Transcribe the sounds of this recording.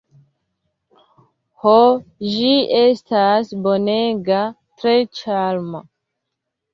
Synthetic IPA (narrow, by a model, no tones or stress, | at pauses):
hoʒiestasboneɡa | tɾet͡ʃalma